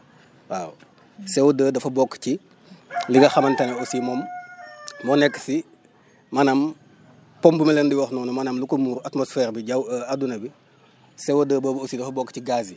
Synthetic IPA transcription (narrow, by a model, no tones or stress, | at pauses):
wa̰ːw | sɛwdəːdɐfɐbɔkːci | liɡɐxɐmɐntɐnɐosimɔːmː | ɔnɛkːə̥si | mɐnɐm | pɔmbumɐlɛndiwɔxnɔːnumɐnɐmlukomuːɾatmɔsfɛːrbiɟawadunɐbi | sɛwɐdəːboːbosidɐfɐbɔkːciɡazi